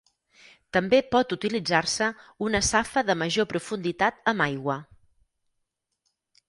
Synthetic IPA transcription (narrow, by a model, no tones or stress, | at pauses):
t̪əmbepɔt̪ut̪ilid͡zarsəunəsafəðəməʒopɾufund̪it̪at̪əmajɣwə